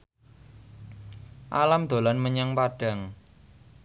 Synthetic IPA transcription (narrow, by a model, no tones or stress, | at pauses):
ʔa̰lamd̪̥o̤lanməɲaŋpaɖ̥a̤ŋ